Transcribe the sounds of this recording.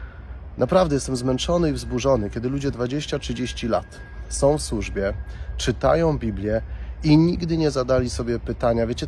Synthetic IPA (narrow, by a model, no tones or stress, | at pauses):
napɾavd̪ɛjɛst̪ɛmzmɛnt͡ʂɔnɘivzbuʐɔnɘkʲɛd̪ɘlud͡ʑɛd̪vad͡ʑeɕt͡ɕatʂɘd͡ʑeɕt͡ɕila̰t̪ | sɔ̃w̃fswuʐbʲjɛt͡ʂɘt̪a̰jɔ̃w̃bʲiblʲjɛiɲiɡd̪ɘɲɛzad̪alʲisɔbʲjɛpɘt̪aɲavʲjet͡ɕɛ